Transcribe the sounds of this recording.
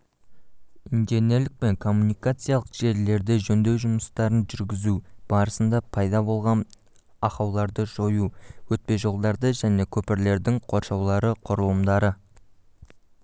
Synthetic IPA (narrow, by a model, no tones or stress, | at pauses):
ind̪ene̞lɪk̚pe̞ŋkʰo̞mːunijkat̪sɨjalˠəqʒ̥e̞ɾle̞ɾd̪ɪʒɵnd̪e̞wʒʊməst̪ɑɾənʒʏɾɡʲɪzub̥ɑɾəsənd̪ɑpʰɑjd̪ɑbo̞lˠʁɑn | ɑqɑwlˠɑɾd̪əʒo̞juwɵt̪̚pe̞ʒo̞lˠd̪ɑɾd̪əʒæne̞kʲʰɵpɪɾle̞ɾd̪ɪŋqʰo̞ɾʃɑwlˠɑɾəqʰʊɾəlˠəmd̪ɑɾə